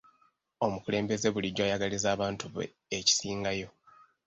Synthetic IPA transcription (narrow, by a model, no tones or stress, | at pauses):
o̞mukule̞ːmbe̞ze̞βuliɟːwaːjaɡalizaːβaːntuβ̰ | eci̥siːŋɡajo̞